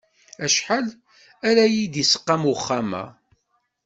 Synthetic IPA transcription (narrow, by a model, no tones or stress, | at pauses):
æʃħal | æɾæjid̪isə̥qːamwχːamæ̰